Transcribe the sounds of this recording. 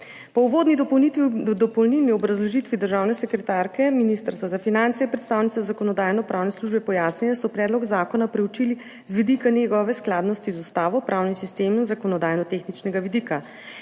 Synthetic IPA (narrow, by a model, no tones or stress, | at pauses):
pɔuʋod̪ni | d̪ɔpɔwlnilniɔbɾazlɔʒit̪ʋid̪əɾʒaːwnɛsɛkɾɛt̪aːɾkɛminist̪əɾst̪ʋazafinant̪sɛipɾɛt̪st̪aːwnit̪sazakɔnɔd̪aːjnɔpɾʔaːwnɛsluʒbɛpɔjaːsnilasɔpɾɛːd̪lɔɡzaːkɔnapɾɛwt͡ʃili | zʋid̪ikanjɛɡɔʋɛsklaːd̪nɔst̪izust̪aːʋɔpɾʔaːwnisist̪eːmnzakɔnɔd̪aːjnɔt̪exnit͡ʃnɛɡaʋid̪ika